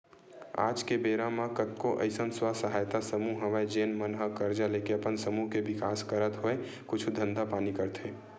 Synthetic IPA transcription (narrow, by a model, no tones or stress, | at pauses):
a̰ːd͡ʒkebeːɾamãkət̪̚koʔə̰ɪsənswasəɦaːjt̪asəmuɦɦəʋəed͡ʒeːnmənɦəkəɾd͡ʒaleːkeɐpənsəmuɦkebɪkaːskəɾət̪ɦoe | kʊt͡ʃʰd̪ʱə̃nd̪apaːnikəɾt̪ʰeː